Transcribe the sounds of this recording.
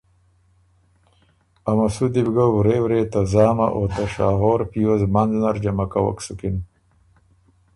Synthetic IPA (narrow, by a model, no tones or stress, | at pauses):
ɐmɐsud̪ibɡauɾeːwɾeːt̪ɐzaːmɐ̰ʔot̪ɐʂaːɦoːɾpijozmɐnznɐɾd͡ʑɐmɐkɐwɐ̰ksukin